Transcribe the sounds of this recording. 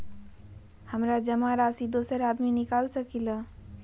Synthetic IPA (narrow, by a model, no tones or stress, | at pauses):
həmɾad͡ʒəmaɾasid̪osəɾad̪minikalsəkilə